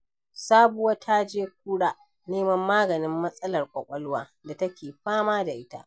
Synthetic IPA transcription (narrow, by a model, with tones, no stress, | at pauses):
saː˦bʊ˦wɐ˦tʰa˦d͡ʒeː˦k̚ʷuː˦ɽaː˦ | neː˦mɐ˦mːaː˦ɡɐ˨nɪ˦mːɐ˦sʼɐ˦lɐ˨rkʷʼɐ˨kʷʼɐ˦lʊ˦waː˦ | da˨tɐ˦kʲeː˨ɸaː˦maː˦da˨ʔɪ˦ta̰˦ʔ